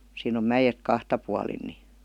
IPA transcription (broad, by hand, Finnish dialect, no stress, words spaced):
siːn om mæjet kɑhtɑ puɑlin ni